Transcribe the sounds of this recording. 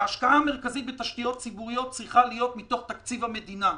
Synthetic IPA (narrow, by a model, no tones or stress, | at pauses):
aːʃkaame̞ʁ̞kazit̪vet̪aʃt̪ijo̞t̚t͡sibuʁijo̞t̚t͡sʁiχalijo̞t̪mit̪o̞χt̪akt͡sivame̞d̪ina